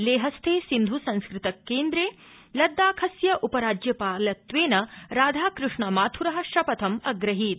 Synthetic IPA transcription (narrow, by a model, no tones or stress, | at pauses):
leːɦɐst̪ʰeːsind̪ʱusɐ̃nskɾɪt̪ɐkːeːnd̪ɾeː | lɐd̪ːaːkʰɐsjɐʔupɐɾaːd͡ʒjɐpaːlɐt̪ʋeːnɐɾaːd̪ʱaːkɾɪʂɳɐmaːt̪ʰuɾɐɦɐ̆ʃɐpɐt̪ʰɐmɐɡɾɐɦiːt̪